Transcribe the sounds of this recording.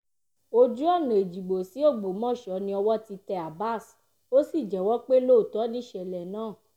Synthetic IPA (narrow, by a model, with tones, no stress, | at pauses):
o˧d͡ʒu˦ɔ˦˨nũ˨e˨d͡ʒi˨ɡ͡bo˨si˨˦o˦˨ɡ͡bo˨˦mɔ̃˦˨ʃɔ˨˦nĩ˧ɔ˧wɔ˦ti˧tɛ˧a˨ba˦˨s | o˦si˦˨d͡ʒɛ˨wɔ˦k͡pe˦lo˦˨tɔ˨˦nĩ˦˨ʃɛ˨lɛ˨nãː˦˨